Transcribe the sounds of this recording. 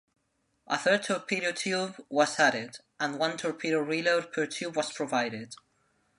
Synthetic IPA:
ʔəθɜ˞d̚tʰɔɹpʰiɾotʰjubwʌzæɾɪd | ʔə̃nwʌ̃ntʰɔɹpʰiɾoɹiloʊd̚pʰə˞tʰubwʌz̥pʰɹ̥ɔvaɪɾɪd̥

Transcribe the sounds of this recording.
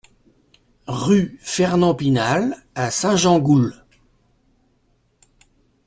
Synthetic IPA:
ʁyfɛʁnɑ̃pinal | asɛ̃ʒɑ̃ɡul

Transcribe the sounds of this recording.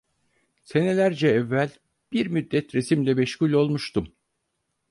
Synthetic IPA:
se̞ne̞lʲæɾd͡ʒɛɛvːælʲ | b̥iɾmyd̪ːɛt̪ɾesimlʲɛmɛʃhulʲo̞lˠmuʃt̪um

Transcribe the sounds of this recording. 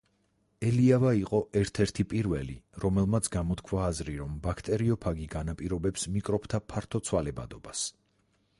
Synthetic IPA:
ɛliavaiqʼɔɛɾt̪ʰɛɾt̪ʰipʼiɾvɛlḭɾɔmɛlˠmat̪sʰɡamɔt̪kʰwaːzɾiɾɔmbakʰt̪ʼɛɾiɔpʰaɡiɡanapʼiɾɔbɛpsmikʼɾɔpʰt̪ʰapʰaɾt̪ʰɔt̪sʰwalɛba̰d̪ɔbas

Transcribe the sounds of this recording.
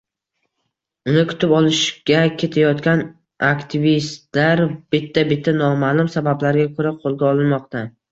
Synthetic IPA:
ʊnɪkʰʊ̥t̪ʰɪpɒlˠɪʃɡʲakʲʰe̞t̪ʰajɒt̪kʲan | akʲt̪ʰɪvist̪laɾb̥ɪt̪ʰːabɪt̪ʰːanɒmalˠʊmsabablaɾɪɡʲakʰɵɾaqʰolˠɡʲaɒlˠɪnmɒqt̪ʰa

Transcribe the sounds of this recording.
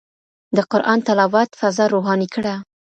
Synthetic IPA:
d̪əqʊɾʔɑnt̪alawat̪fazɑɾoɦɑnikɽa

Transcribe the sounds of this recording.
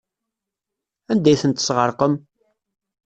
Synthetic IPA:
ænd̪æjθənt̪ə̥sʁəɾˤqəm

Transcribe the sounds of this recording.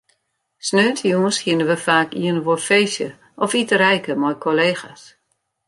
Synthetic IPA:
snøːtʰəjuəshiənəʋəfaːkiənəʋofeːsjə | ʔɔfitəɾɛjkəmɔjkʰoleːxas

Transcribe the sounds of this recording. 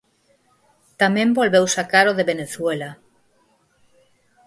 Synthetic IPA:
t̪amẽmbolβewsakaɾoðeβeneθwela

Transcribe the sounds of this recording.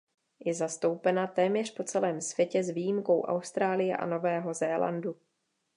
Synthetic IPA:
jɛzast̪o̞wpɛnat̪ɛːmɲɛr̥po̞t͡sɛlɛːmsv̥jɛcɛzviːjimko̞wʔa̰wst̪ɾaːlɪjɛ̰ʔa̰no̞vɛːɦo̞zɛːla̰ndu

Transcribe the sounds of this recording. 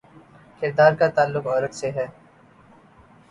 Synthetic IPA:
kɪɾd̪aːɾkat̪aːlːʊqɔːɾət̪seɦɛː

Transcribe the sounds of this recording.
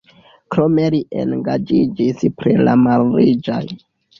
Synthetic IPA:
kɾo̞me̞liʔḛnɡad͡ʒid͡ʒispɾila̰malɾid͡ʒo̰j

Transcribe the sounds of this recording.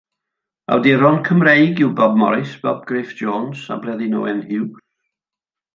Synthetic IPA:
a̰wdiɾɔnkʰəmrejɡɪwbɔb̚mɔ̰ɾɪsb̥ɔb̚ɡreːfd̥d͡ʒoːnsa̰brɛðinɔ̰wɛnhɪw

